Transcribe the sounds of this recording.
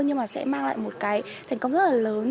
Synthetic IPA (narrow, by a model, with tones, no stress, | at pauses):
ɲɨ˧ŋmaː˨˩sɛ̰˧˥maː˧ŋla̰ː˧˨jmo˨˩t̚kaː˨˦jt̪ʰa˨˩ŋkə˧wŋ͡mzə˦˥t̚laː˨˩ləː˨˦n